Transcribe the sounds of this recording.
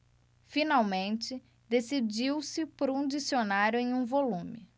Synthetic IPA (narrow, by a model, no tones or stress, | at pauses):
finawmẽnt͡ʃɪ | d̪esid͡ʒiwsɪpɾʊũd͡ʒisionaɾjʊẽj̃ũvolũmɪ